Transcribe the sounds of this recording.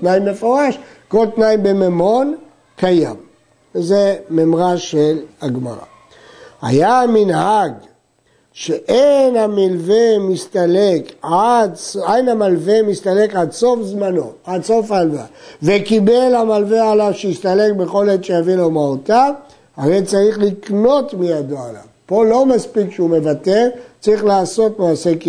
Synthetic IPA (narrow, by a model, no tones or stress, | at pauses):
t̪najimːefo̞ʁaʃko̞lt̪naimbememo̞n | kaja̰m | vezememʁaʃelhaɡma̰ʁa̰ | ha̰jaminɦaɡ | ʃeʔejnhamilvemist̪alekadsajnamalvemist̪ale̞kadso̞fzmano̞adso̞falva̰vekibelhamalvealaʃejist̪ale̞k̚be̞χo̞let̪ʃejavilomaot̪a | aʁejt͡saʁiχlikno̞tmijad̪oala̰vpo̞lo̞maspikʃeume̞vateʁt͡saʁiχlaːso̞tmaːseki